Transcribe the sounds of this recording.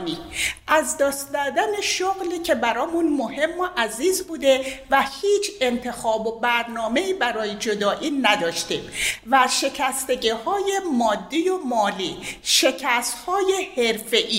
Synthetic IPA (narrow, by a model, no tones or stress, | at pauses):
niʔæzd̪ɒːst̪d̪æɾd̪æneʃoɣliːcʰebæɾɒːmunmohe̞mːoʔæziːzbuːd̪e̞væhiːt͡ʃʰe̞nt̪ʰe̞xɒːbobæɾnɒːme̞iːbæɾɒːjed͡ʒod̪ɒːʔiːnæd̪ɒːʃt̪iːmvæʃe̞cʰæst̪e̞ɟihɒːjemɒːd̪ːijomɒːliʃe̞cʰæst̪hɒːje̞heɾfe̞ʔiː